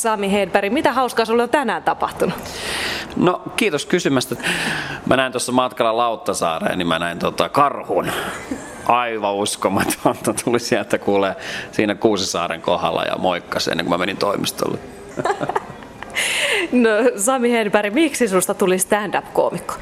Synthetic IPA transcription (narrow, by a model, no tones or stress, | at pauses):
sɑmihenpæɾimit̪æhɑuskɑːsolːont̪ænæːnt̪ɑpɑht̪unu | nokiːt̪oskysymæst̪et̪mʔænæint̪osːɑmɑt̪kɑlːɑlɑut̪ːɑsɑ̰ːrḛːnimmænæint̪ot̪ɑkɑrhun | ʔɑiʋɑuskomɑt̪ɑnt̪ːɑt̪ʰulisiælt̪ːækuːleːsiːnækuːsisɑ̰ːrḛŋkohɑ̰lːɑ̰jɑ̰moikːɑsḛnːeŋkumæmenint̪oimist̪o̰lːe | nosɑmihenpæɾimiksisust̪ɑt̪ulist̪ændɑpko̰ːmikːo̥